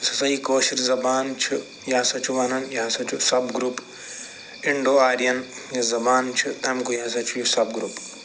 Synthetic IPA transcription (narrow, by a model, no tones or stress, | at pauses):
sɐsɐɦiːkoːʃiɾzɐbaːnt͡ʃʰu | jaːsɐt͡ʃʰuʋɐnɐnjaːsɐt͡ʃʰusɐbɡɾuːp | ɪɳɖoːaːɾijɐn | jɐzɐbaːnt͡ʃʰut̪ɐmkujaːsɐt͡ʃʰujusɐbɡɾuːp